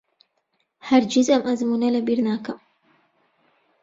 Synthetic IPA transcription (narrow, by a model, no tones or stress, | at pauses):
haɾd͡ʒɪzʔamʔazmunalabiɾnaːka